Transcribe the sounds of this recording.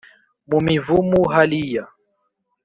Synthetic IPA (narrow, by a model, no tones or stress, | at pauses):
mumivumuɦalija